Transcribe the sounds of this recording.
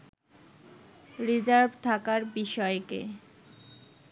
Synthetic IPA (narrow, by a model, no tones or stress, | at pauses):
ɾid͡ʑaɾbt̪ʰakaɾbiʃɔekḛ